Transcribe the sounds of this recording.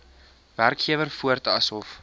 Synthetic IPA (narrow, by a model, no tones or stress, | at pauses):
værkχiəvərfuərtɐsɦɔf